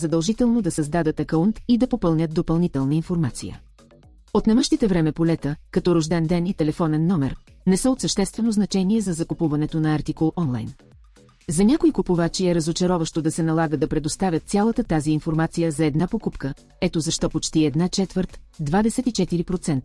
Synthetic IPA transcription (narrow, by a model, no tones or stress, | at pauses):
zɐd̪əlˠʒit̪ɛlˠnod̪ɐsɐzd̪ad̪ət̪ɐkəunt̪id̪ɐpopɤlˠnʲət̪̚d̪opɐlˠnit̪ɛlˠnəinfoɾmat̪sḭjə̰ | ot̪nɛmɤʃt̪it̪ɛvɾɛmɛpolɛt̪əkɐt̪ɔɾoʒd̪ɛnd̪ɛnit̪ɛlɛfɔnɛnːɔmɛɾ | nɛsəot̪səʃt̪ɛst̪vɛnoznɐt͡ʃɛniɛzɐzɐkupuvɐnɛt̪onɐaɾt̪ikolˠʔɔnlˠa̰jn | zɐnʲakʊikupuvat͡ʃiɛɾɐzot͡ʃɐɾɔvəʃt̪od̪ɐsɛnɐlˠaɡəd̪ɐpɾɛd̪ost̪avʲjət̪̚sʲalˠət̪ət̪aziːnfoɾmat̪sijəzɐɛd̪napokupkə | ɛt̪ozɐʃt̪ɔpot͡ʃt̪iɛd̪nat͡ʃɛt̪vəɾt̪d̪vad̪ɛsɛt̪it͡ʃɛt̪iɾipɾot̪sɛnt̪